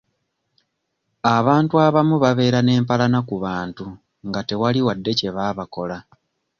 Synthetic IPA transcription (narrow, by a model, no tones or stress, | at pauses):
aβaːntuaβamuβaβe̞ːɾane̞ːmpalanakuβaːntu | ŋɡate̞waliwadːe̞ce̞βaːβako̞la